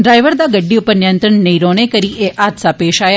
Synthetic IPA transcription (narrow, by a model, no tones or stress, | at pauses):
ɖɾaːɪʋəɾd̪aːɡəɖːiːʊpəɾnɪjə̃nt̪ɾəɳnɐĩɾɔːɽ̃eːkəɾiʔeːʔaːd̪saːpeːʃaːjaː